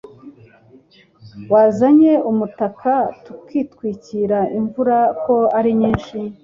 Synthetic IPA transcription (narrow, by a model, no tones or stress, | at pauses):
waːzaɲe̞umutakʰatukiːtkwiːciɾaiɱvuɾako̞aɾiɲiːnʃi